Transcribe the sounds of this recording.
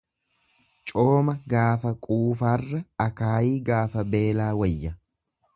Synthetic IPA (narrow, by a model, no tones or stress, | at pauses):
t͡ʃʼoːmɐɡaːfɐkʼuːfaːrːɐɐkaːjiːɡaːfɐbe̞ːlaːwɐjːɐ